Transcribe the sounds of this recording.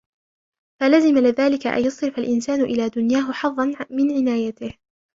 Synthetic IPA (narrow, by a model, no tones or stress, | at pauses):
falazɪmalɪðaːlɪkaʔa̰njɑsˤɨɾfalʔɪnsaːnʊʔɪlaːd̪ʊnjaːɦʊħɑðˤːɑnmɪnʕɪnaːjat̪ɪh